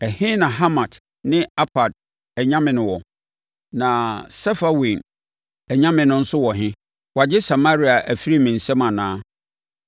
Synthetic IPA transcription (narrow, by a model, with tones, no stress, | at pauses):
ɛ˨hɪ̃˦nã˨ɦa˦mã˨t | nɪ̃˦a˦pʰa˨d̚ | ɛ˨ɲã˦mɪ̃˨nʊ̃˨wɔ˨ | nã˨sɛ˦fa˦wĩ˨n | ɛ˨ɲã˦mɪ̃˨nʊ̃˦n̩˦sʊ˦wɔ˨ɦɪ̃˦ | wa˨d͡ʑɪ˦sa˨ma˦ɾi˦a˨ʔæ˨fi˦ɾi˦mɪ̃˨n̩˨sɛ˦mã˨nãː˦